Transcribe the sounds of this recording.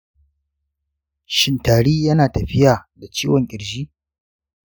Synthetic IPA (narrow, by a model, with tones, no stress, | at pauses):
ʃɪ˦ntaː˨ɽiː˦jɐ˦naː˨tɐ˨ɸɪ˦jaː˨da˨t͡ʃiː˦wɔ˨ŋkʲʼɪ˨ɽd͡ʒiː˦